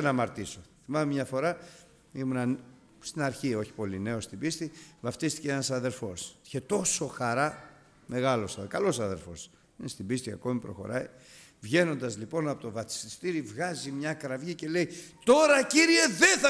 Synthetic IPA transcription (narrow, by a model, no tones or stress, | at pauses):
nɐmɐɾt̪isoθimɐmemɲɐfo̞ɾɐ | imunɐ | st̪inɐɾçio̞çi̥po̞line̞o̞st̪ibist̪ivɐft̪ist̪i̥ceenɐsɐðe̞ɾfo̞siçe̞t̪o̞so̞xɐɾɐ | me̞ɣɐlo̞sɐkɐlo̞sɐðe̞̰ɾfo̞̰s | inest̪ibist̪iɐ̰ko̞mipɾo̞̰xo̞̰ɾɐi | vʝe̞no̞nd̪ɐzlipo̞nɐpot̪ovɐt̪i̥sist̪iɾivɣɐzimɲɐkɾɐvʝice̞le̞it̪o̞ɾɐciɾie̞ðeθɐ